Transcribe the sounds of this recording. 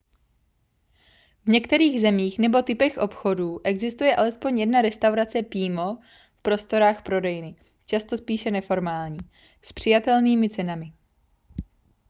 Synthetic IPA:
vɲɛkt̪ɛɾiːɣzɛmiːxnɛbo̞t̪ɪpɛxʔo̞pxo̞duːʔɛɡzɪst̪ujɛʔalɛspo̞ɲjɛdnaɾɛst̪awɾat͡sɛpiːmo̞ | fpɾo̞st̪o̞ɾaːxpɾo̞dɛjɪnɪ | t͡ʃast̪o̞spiːʃɛnɛfo̞ɾmaːlɲiː | spr̝̥ɪjat̪ɛlniːmɪt͡sɛnamɪ

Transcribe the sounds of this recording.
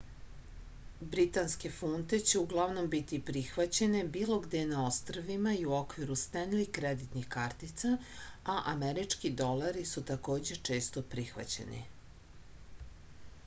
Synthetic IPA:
bɾit̪anske̞funt̪e̞t͡ɕeuɡlˠaʋno̞mbit̪ipɾixʋat͡ɕe̞ne̞biːlo̞ɡd̪enao̞st̪ɾʋimaiuo̞kʋiɾust̪enlikɾed̪it̪nixkaɾt̪it̪sa | aʔameɾit͡ʂkid̪o̞laɾisut̪ako̞ːd͡ʑe̞t͡ʂe̞ːst̪opɾixʋa̰t͡ɕe̞̰nḭ

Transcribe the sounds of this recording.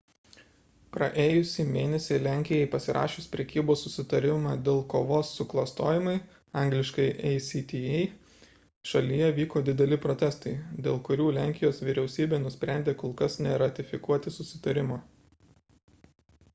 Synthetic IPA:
pɾɐʔeːjʊsʲiːmʲeːnʲɛsʲɛɪlʲæˑŋʲkʲɪjɛɪpɐsʲɪɾʔɑ̰ːʃʲʊspʲɾʲɛkʲiːboːssʊsʲɪt̪ɐɾʲɪmɑːd̪ʲeːlˠkoːʋoːsːʊklˠɐst̪oːjɪmɐɪ | ɑˑŋʲɡlʲɪʃkɐɪʔɛɪsʲiːt̪ʲijɛɪ | ʃɐlʲɪjɛʋʲiːkoːd̪ʲɪd̪ʲɛlʲɪpɾot̪ʲɛst̪ɐɪd̪ʲeːlˠkʊɾʲuːlʲæˑŋʲkʲɪjoːsʋʲɪɾʲɛʊsʲiːbʲeːnʊsʲpʲɾʲæˑnʲd̪ʲeːkolˠkɐsnʲɛɾɐt̪ʲɪfʲɪkuɔt̪ʲɪsʊsʲɪt̪ɐɾʲɪmoː

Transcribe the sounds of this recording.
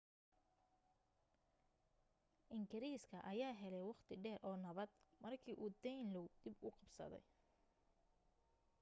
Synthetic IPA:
ʔɪŋɡɪɾiːskʰɐʔɐjaːɦɛlɛjwɑχt̪ʰɪɖɛːrʔɔːnɐβɐd̪mɐrkʰiːʔuːd̪ɛjnlɔwd̪̥ɪbʊqɑbsɐ̰ðɛ̰j

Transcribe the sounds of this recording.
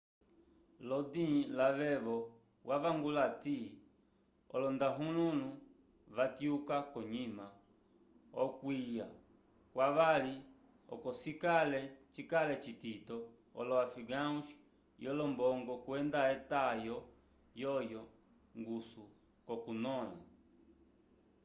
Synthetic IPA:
lɔdĩlaʋɛʋɔ | waʋaŋɡulati | ɔ̰lɔndaɦulunu | vatiukakɔɲima | ɔ̰kwija | kwaʋali | ɔ̰kɔsikalɛt͡ʃikalɛt͡ʃititɔ | ɔ̰lɔafiɡauʃ | jɔlɔmbɔŋɡɔkuɛndaɛtajɔ | jɔjɔ | ŋɡusu | kɔkunɔla̰

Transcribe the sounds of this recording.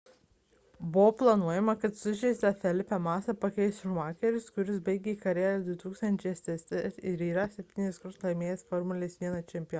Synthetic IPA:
bʊʋoplˠɐnuɔjɛmɐkɐt̪sʊʃʲɛɪst̪ʲɐfʲɛlʲɪpʲɛmɑːsɐpɐkʲɛɪsmɑːkʲɛɾʲʊskʊɾʲɪs̬bɐɪɡʲeːikɐɾʲæːlʲɛd̪ʲʋʲɪt̪uːkst̪ɐnʲt͡ʃʲɛɪɛsʲt̪ʲɛsʲt̪ʲɛsɪɾiːɾɐsʲɛpʲt̪ʲiːnʲɪskɐɾslˠɐɪmʲeːjɛsfɔɾmʊlʲeːsʋʲiɛnɐt͡ʃʲɛmʲpʲɪj

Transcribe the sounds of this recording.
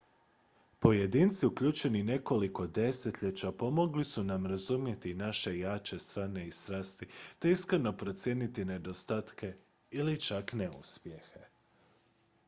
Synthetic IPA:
po̞je̞d̪iːnt̪siukʎʲuːt͡ʃe̞nine̞ko̞liko̞d̪e̞se̞t̪ʎet͡ɕapo̞mo̞ɡlisunamɾazumje̞t̪inaʃe̞jaːt͡ʃe̞st̪ɾaːne̞ist̪ɾaːst̪it̪e̞iskɾno̞pɾo̞t̪sje̞ːnit̪ine̞d̪o̞st̪aːt̪ke̞ | ilit͡ʃakneṵspje̞xe

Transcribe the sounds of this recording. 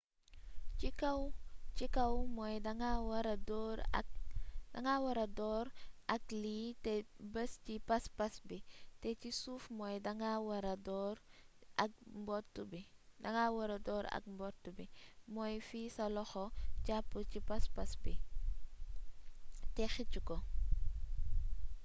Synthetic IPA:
iwt͡ʃikɐwmɔjdɐŋawɐɾɐdɔɾ̰ | dɐŋawɐɾɐdɔːɾʔɐkliːtɛbəscipɐspɐsbitɛcisufmɔjdɐŋawɐɾɐdɔɾʔɐk̚mbɔtːubidɐŋawɐɾɐdɔːɾɐ̰k̚mbɔtːubimɔjfiːsɐlɔxɔcapːucipɐspɐsbi | tɛxicukɔ

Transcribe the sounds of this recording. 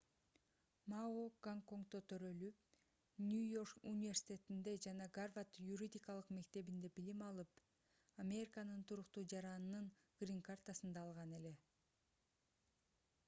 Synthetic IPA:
maoɡaŋko̞ŋkt̪o̞t̪ʰø̞ɾø̞lyp̚ | nʲujo̞rkṵnʲɪvʲe̞rsʲi̥tʲe̞t̪ind̪e̞d͡ʒɑnɑɡarvat̪juɾʲid̪ʲikɑlˠɯqme̞kt̪e̞βind̪e̞b̥ilimɑlˠɯp | amʲe̞ɾʲikanɯnt̪ʰuɾuqt̪uːd͡ʒɑɾɑnnɯn | ɡ̥rʲiŋkart̪asɯnd̪ɑːlˠʁɑne̞le̞

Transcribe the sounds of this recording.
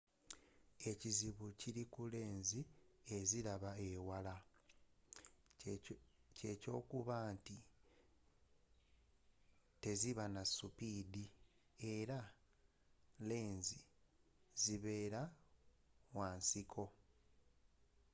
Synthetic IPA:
e̞ciziβuciɾikule̞ːnzie̞zilaβae̞wala | ce̞co̞ːkuβanti | te̞ziβanasupiːdi | e̞ɾa | le̞ːnzi | ziβe̞ːɾa | waːnsikʰo̞

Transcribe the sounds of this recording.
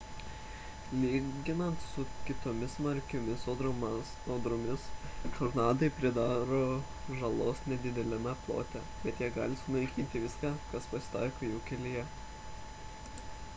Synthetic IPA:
lʲiːɡʲɪnɐnt̪sʊkʲɪt̪oːmʲɪsmɐɾʲkʲomʲɪsoːd̪ɾom | oːd̪ɾomʲɪstoɾnɑːd̪ɐɪpʲɾʲɪd̪ɑːɾoː | ʒɐlˠoːsnʲɛd̪ʲɪd̪ʲɛlʲɛmʲɛplˠo̰ːt̪ʲɛ | bʲɛt̪jiːɡɑ̰ːlʲɪsʊnɐɪkʲiːnʲt̪ʲɪʋʲɪskɑːkɐspɐsʲɪ̥t̪ɑ̰ˑɪkoːjuːkʲɛlʲɪjɛ

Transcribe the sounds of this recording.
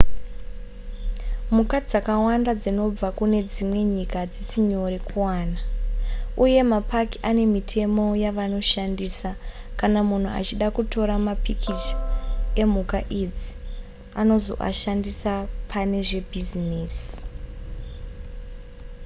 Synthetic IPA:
mukad͡zakawandad͡zino̞b͡vakune̞d͡zimwe̞ɲikad͡zisiɲo̞ɾekuwaːna | uje̞mapakiane̞mitʰe̞mo̞jaʋano̞ʃandisa | kanamun̤ua̰t͡ʃiɗakuto̞ɾamapikʰit͡ʃ | e̞mukaʔid͡zi | ano̞zo̞̰ʔa̰ʃandisapʰane̞ʐe̞bʱizineːsi̥

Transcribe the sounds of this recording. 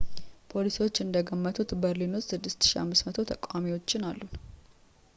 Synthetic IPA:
pʰo̞lisiwo̞t͡ʃːɨnd̪əɡəmːət̪ʰut̪bəɾlinutsɨd̪ːɨst̪ɨ̥ʃia̰mːɨsmət̪ʰot̪ʰəkʼamiwo̞t͡ʃːɪnalːun

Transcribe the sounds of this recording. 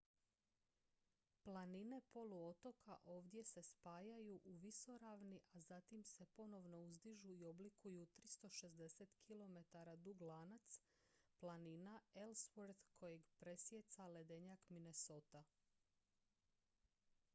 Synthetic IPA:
plˠanine̞po̞luo̞t̪o̞kaʔo̞ːʋd̪je̞se̞spaːjajuʔuʋiso̞ɾaːʋniʔazat̪imse̞po̞no̞ʋno̞uzd̪iʒuio̞blikujut̪ɾist̪o̞ʃe̞zd̪e̞set̪kʰilo̞me̞t̪aɾad̪uɡlˠaːnat̪s | planinaelsʋoɾd̪kʰo̞jeɡpɾe̞sje̞t̪sale̞d̪e̞ɲakmine̞so̞ːt̪a

